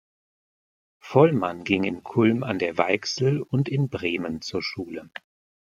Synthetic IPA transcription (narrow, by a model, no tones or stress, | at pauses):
fɔlmanɡɪŋɪnkʰʊlma̰ndeːɐvaɪksl̩ʊntɪnbʁeːmənt͡suːɐʃuːlə